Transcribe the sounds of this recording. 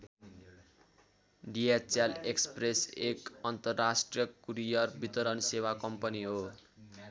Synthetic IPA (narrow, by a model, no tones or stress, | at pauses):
ɖijat͡salekspresekʌnt̪ʌrːasʈrijʌkuɾijʌrbit̪ʌɾʌnsewakʌmpʌniɦo